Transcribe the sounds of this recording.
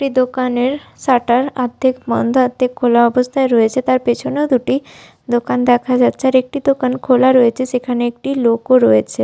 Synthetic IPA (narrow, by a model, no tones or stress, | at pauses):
kʈid̪okaneɾsaʈaɾat̪ːekmɔ̰nd̪ʱat̪ːekʰːolaɔbəst̪ʰaeɾɔet͡ʃʰet̪aɾpet͡ʃʰonod̪uʈi | d̪okand̪ɛkʰad͡ʒat͡ʃʰaɾek̚ʈid̪okankʰolaɾɔet͡ʃʰesekʰaneːk̚ʈilokoɾɔet͡ʃʰe